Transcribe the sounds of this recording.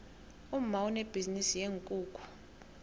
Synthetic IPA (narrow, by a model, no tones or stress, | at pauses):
um̩mauneb̥ʱizinisijeŋkʼuːkʼu̥